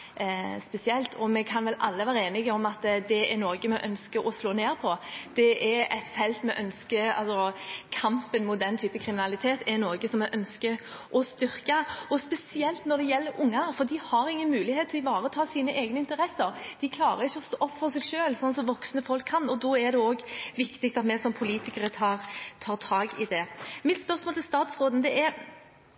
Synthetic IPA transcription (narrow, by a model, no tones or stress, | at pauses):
spɛsɪɛlt̪ʰɔmɛkʰɑnʋɛlɑlːəʋæːɾəeːnɪɡəɔmɑt̪d̪ɛɛɾnoːɡəmɛʔœnskəɾɔsloːneːɾpʰɔd̪̥ɛʔɛɾɛɪt̪fɛlt̪mɛʔœnskəɑ̰lsɔkʰɑmpənmʊt̪̚d̪ɛnt̪ʰyːpəkʰɾɪmɪnɑlɪt̪ʰeːt̪ɛnoːɡəsɔmɛʔœnskə | ʔɔst̪ʏɾkɑɔspɛsɪɛlt̪nɔɾd̪ɛjɛlːəɾʊŋːɑɾfɔɾd̪ɪhɑɾɪŋːənmʉːlɪheːt̪ʰːlɔɪʋɑːɾət̪ʰɑːsiːnəʔeːɡnəɪnt̪əɾɛsəɾd̪̥ɪkʰlɑːɾəʁɪçːəɔst̪oːɔpːfɔʁsɛɡʃøːlsɔnsɔmʋɔksnəfɔlkʰːɑnːɔd̪ɔɛɾd̪ɛoːɡʋɪkt̪ɪk̚t̪ɑt̪mɛsɔmpʰʊliːt̪ɪkəɾət̪ʰɑːʁt̪ʰɑːɾt̪ʰɑːɡɪd̪ɛmɪt̪spœʁsmoːlt̪ʰɪlst̪ɑːt̪sʁoːd̪n̩d̪ɛʔɛɾ